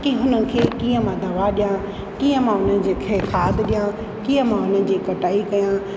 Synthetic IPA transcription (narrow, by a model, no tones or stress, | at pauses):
kiɦʊnənɪ̆kʰeːkijə̃mãd̪ɐʋaɗɪjã | kiːjə̃mãɦʊnənɪ̆d͡ʑeːkʰeːkʰaːd̪ɗɪjã | kiːə̃mãɦʊnən̆d͡ʑiːkɐʈaːikɐjãː